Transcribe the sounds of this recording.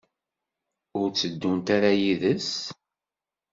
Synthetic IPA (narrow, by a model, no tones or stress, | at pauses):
ʊɾt͡sːəd̪ːunt̪aɾajiðəs